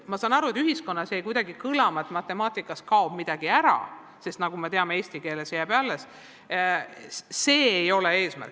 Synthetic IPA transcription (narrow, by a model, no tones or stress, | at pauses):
mɑsɑːnɑɾuet̪yɦisko̞nːɑse̞jkujd̪ɑɡikɯlɑmɑet̪ˑmɑt̪ːˑe̞mɑːt̪ˑikːˑɑskɑob̥mid̪̥ɑɡ̥iæɾɑ̰ | se̞st̪nɑɡ̥umet̪e̞ɑmee̞ːsʲt̪ike̞ːle̞sjæbælːes | se̞ːejo̞lee̞ːsmæ̰rk